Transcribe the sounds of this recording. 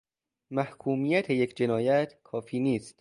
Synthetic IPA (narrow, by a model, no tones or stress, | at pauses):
mæhkʰuːmiːjæt̪ʰe̞jecʰd͡ʒe̞nɒːjæt̪ʰkʰɒːfiːniːst̪